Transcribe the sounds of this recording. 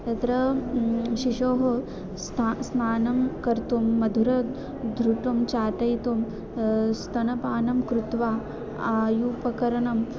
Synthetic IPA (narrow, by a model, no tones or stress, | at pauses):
t̪ɐt̪ɾɐ | ʃiʂoːɦo | snaːnɐmkɐɾt̪umːɐd̪ʱuɾɐ | d̪ʱɾuʈumt͡ʃaːt̪ɐjt̪um | st̪ʰɐnɐpaːnɐmkɾut̪ʋaː | aːjupɐkɐɾɐɳɐm